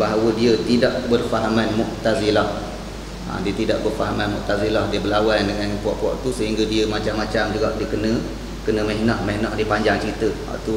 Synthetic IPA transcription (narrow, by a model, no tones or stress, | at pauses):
baɦawədiət̪ida̰ʔbərfaɦamanmʊʔt̪azilah | a̰diət̪ida̰ʔbərfaɦamanmʊ̰ʔt̪azilahdiəbəlawandəŋanpuɔ̰ʔpuɔ̰ʔt̪usəɦiŋɡədiəmat͡ʃamːat͡ʃamd͡ʒuɡaʔdiəkənə̃ | kənəmɛɦnɔhmɛhnɔhdiəpaɲd͡ʒaŋt͡ʃəɾit̪əwa̰ʔt̪u